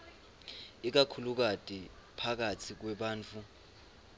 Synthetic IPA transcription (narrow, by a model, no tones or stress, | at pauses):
ik̬akʰuluk̬ad̥ʼipʰak̬atʰik̬wɛɓaːnt͡fʰu